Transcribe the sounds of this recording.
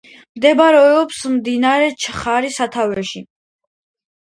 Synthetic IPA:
md̪ɛbɾɛɔpsmd̪inaɾɛt͡ʃʰχaɾisat̪ʰavɛʃi

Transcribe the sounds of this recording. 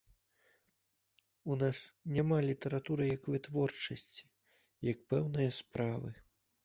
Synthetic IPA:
unasnʲamalʲit̪ɛɾat̪uɾɨjɐkvɨt̪vɔrt͡ʂɐsʲt͡sʲi̥ | jɐk̚pɛwnɨjɐspɾavɨ̰

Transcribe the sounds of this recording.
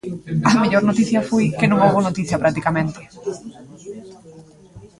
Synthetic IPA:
ɐmeʎoɾnot̪iθjɐfojkɪnũŋowβonot̪iθjɐpɾak̚t̪ikamẽnt̪ɪ̥

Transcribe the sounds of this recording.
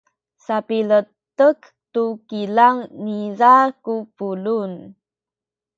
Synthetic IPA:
sapilətək | tukilaŋnizakupulun

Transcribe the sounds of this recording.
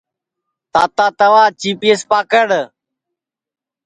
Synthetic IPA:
t̪aːt̪aːt̪əʋaːt͡ʃiːpiːespaːkəɽ

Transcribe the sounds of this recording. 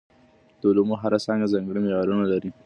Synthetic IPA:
t̪olomuɦaɾasaŋɡazaŋɡɽimɪjaɾunalaɾi

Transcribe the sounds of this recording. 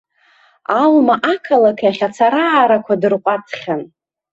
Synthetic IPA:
almaʔakʰalakʰjaχʲat͡sʰaɾaːɾakʷʰadɨrkʷʼat͡sʰχʲan

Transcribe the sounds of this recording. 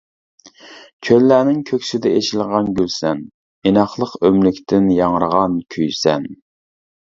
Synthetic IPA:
kʲʰølːæːnɪŋkʲʰøkʲsɪd̪ɛet͡ʃilˠʁɑnɡʲylsɛn | enɑχlˠəqømlykʲt̪ʰɪnjɑŋəɾəʁɑnkʲʰyjsɛn

